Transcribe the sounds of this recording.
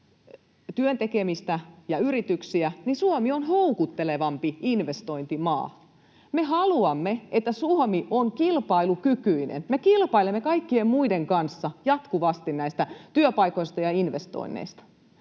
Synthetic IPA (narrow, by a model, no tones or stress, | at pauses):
t̪yønt̪ekemist̪æjɑyɾit̪yksiæninsuomionɦoukut̪ːeleʋɑmpiinʋest̪o̞int̪imɑ̰ː | meɦɑluɑmːeʔet̪ːæsuomiʔoŋkilpɑilukykyinḛnmekilpɑilemːekɑikːiemmuideŋkɑnsːɑjɑt̪kuʋɑst̪innæist̪æt̪yøpɑikoist̪ɑjɑinʋest̪o̰inːḛist̪ɑ̥